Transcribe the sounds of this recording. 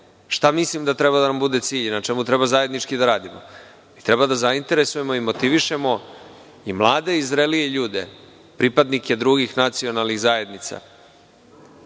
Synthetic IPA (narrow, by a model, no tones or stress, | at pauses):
ʃt̪amislimd̪at̪ɾebad̪anambud̪e̞t̪siːʎnat͡ʃemut̪ɾɛbazaje̞d̪nit͡ʂkid̪aɾaːd̪imo̞̰ | mit̪ɾebad̪azaint̪e̞ɾe̞suje̞mo̞imo̞t̪iʋiʃe̞mo̞ | imlˠaːd̪e̞izɾelieʎuːd̪e̞ | pɾipad̪nike̞d̪ɾuɡixnat̪sio̞nalˠnixzaje̞d̪nit̪sa̰